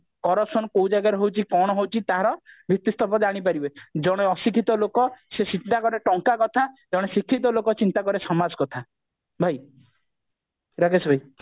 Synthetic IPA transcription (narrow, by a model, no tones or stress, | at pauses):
kɔɾɔsɔnɔkowd͡ʒaɡaɾɔɦewt͡ʃʰikɔɽ̃ɔɦewt͡ʃʰit̪aɦaɾɔbʱit̪ːist̪ɔpɔd̪aɽ̃ipaɾibed͡ʒɔɽ̃eɔsikʰit̪ɔlokɔsesint̪akɔɾeʈɔŋkakɔt̪ʰad͡ʒɔɽ̃esikʰːit̪ɔlokɔt͡ʃint̪akɔɾesɔmad͡ʒɔkɔt̪ʰa | bʱaj | ɾaɡesbʱaj